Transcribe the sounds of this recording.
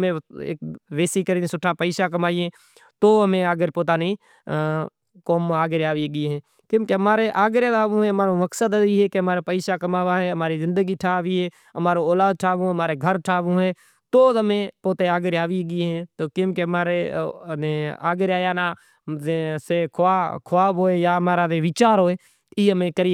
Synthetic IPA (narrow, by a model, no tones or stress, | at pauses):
mẽḛːkʋeːsikəɾinesʊʈʰapəɪːʃakəmaːẽː | t̪oːɦəmẽəɡəɾpoːt̪̬aːni | koːmaːɡeɾaːʋiɡɪɦɛ̃ː | kõːkeɦmaːɾeʔaːɡɾjaːaːʋũɦẽɦmaːɾoməksəd̪əiɦeːkeɦəmaːɾepəɪːʃakəmaːʋaɦɛːɦəmaːɾizɪ̃nd̪əɡiːʈʰaːʋiɦeː | əmaːɾoːoːlaːd̪̚ʈʰaːʋõɦəmaːɾeɡʱəɾʈʰaːʋũːɦeː | t̪oːəmẽpoːt̪eaːɡəɾaːʋiɡiɦẽːt̪oːkɪ̃ːkemaːɾeeːa̰ːɡɾaːjaːnaː | seːkʰaːkʰʊaːbɦoːeːjaːɦmaːɾaːdeːʋɪt͡ʃaːɾɦoːeː | iːɦəmẽkəɾi